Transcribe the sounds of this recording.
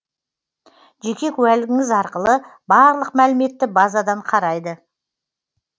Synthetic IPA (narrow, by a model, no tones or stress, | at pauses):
ʒekʲe̞kʲʰʉælɡʲɪŋʲɪzɑɾqəlˠəbɑɾlˠəqmælɪme̞t̪ːɪbazad̪ɑɴqʰɑɾɑjd̪ə